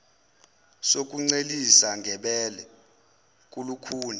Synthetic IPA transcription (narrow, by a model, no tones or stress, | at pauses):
sok̬ʼuŋ͡ǀelisaŋɡʱɛɓɛlɛ | k̬ʼulukʰuːni